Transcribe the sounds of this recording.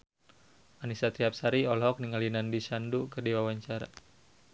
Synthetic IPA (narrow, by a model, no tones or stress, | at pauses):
anisat̪ɾiap̚saɾiɔlɦɔk̚niŋalinandiʃandukərdiwawaɲt͡ʃaɾa̰